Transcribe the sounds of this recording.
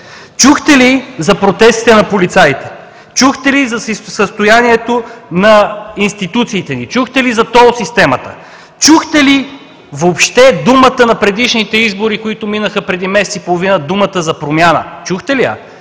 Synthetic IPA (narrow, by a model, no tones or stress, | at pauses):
t͡ʃuxt̪ɛlizɐpɾot̪ɛst̪i̥t̪ɛnɐpolit̪sait̪ɛ̥ | t͡ʃuxt̪ɛlizɐsəst̪ojaniɛt̪onɐinst̪it̪ut̪siːt̪ɛnit͡ʃuxt̪ɛlizɐt̪ɔosist̪ɛmɐt̪ə̰ | t͡ʃuxt̪ɛli | voːpʃt̪ɛd̪umət̪ənɐpɾɛd̪iʃnit̪ɛizboɾikoit̪ʊminəxəpɾɛd̪imɛsɛt̪sipolˠovinəd̪umət̪əzɐpɾomʲjanə̰t͡ʃuxt̪ɛliə̰